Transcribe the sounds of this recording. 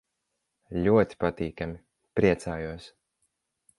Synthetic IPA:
lʲuɔt̪ʲi̥pat̪iːkami | pɾiɛt̪saːjuɔs

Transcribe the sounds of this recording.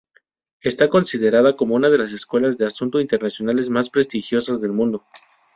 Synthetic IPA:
e̞st̪ako̞nsiðe̞ɾaðako̞mo̞unað̞e̞las̬e̞skwe̞lazðe̞asunt̪oint̪e̞ɾnasjo̞nale̞zmaspɾe̞st̪ixjo̞sazðe̞lmũnd̪o

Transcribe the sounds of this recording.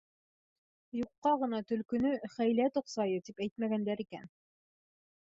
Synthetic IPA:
juqːɑʁɤ̆nɑt̪ɵ̆lkɵ̆nɵχæjlæt̪ŏqsɑjɤt̪ipæjt̪mæɡænd̪æɾikæ̰n

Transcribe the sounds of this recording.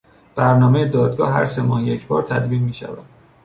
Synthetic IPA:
b̥æɾnɒːmejed̪ɒːd̪̚ɡɒːɦæ̰ɾse̞mɒːhjecʰbɒːɾt̪ʰæd̪viːnmiːʃæ̰væ̰d̪̥

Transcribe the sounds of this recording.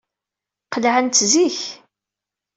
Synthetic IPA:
qəlʕənt̪ziç

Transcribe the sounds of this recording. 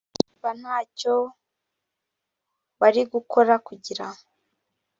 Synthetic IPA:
ban̥haːco | βaɾiɡukʰo̞ɾakuɟiɾao

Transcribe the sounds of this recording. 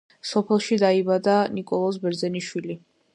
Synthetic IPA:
sɔpʰɛlˠʃid̪aibad̪anikʼɔlˠɔs̬bɛɾd̪zɛniʃwili

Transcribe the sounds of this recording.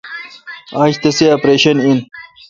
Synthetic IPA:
aːɕt̪ɐseaːpɾeːɕɐnin

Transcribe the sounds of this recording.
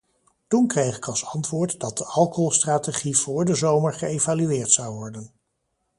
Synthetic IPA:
tunkrejχɪkɑlˠsɑntʋʊːɹtdɑt̚dəʔɑlˠkoɦɔlˠstraːteχiv̥ʊːɹdəzowməɹχəejvalyɪːɹtsɑwʋɔɹdən

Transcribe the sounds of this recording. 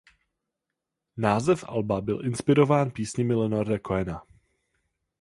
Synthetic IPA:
naːzɛfʔa̰lbabɪlʔɪnspɪɾo̞vaːnpiːsɲɪmɪlɛnoɾdɛkoɛna

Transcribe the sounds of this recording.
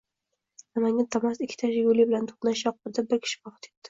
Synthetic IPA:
namaŋat̪ʰamasɪkʲʰːɪ̥t̪ʰaʃajʊlibɪlant̪ʰo̥χnaʃjɒq̚bʊɾd̪abɪɾkʲʰɪ̥ʃɪ̥bɒqɨ̥t̪ʰep̚d̪̥ɪ̥

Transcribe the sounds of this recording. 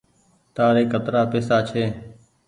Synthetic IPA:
t̪aːɾeːkət̪ɾaːpeːsaːt͡ʃʰeː

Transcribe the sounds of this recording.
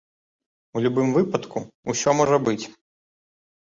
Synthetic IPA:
ulʲubɨmvɨpɐt̪kuusʲɔmɔʐɐbɨt͡sʲ

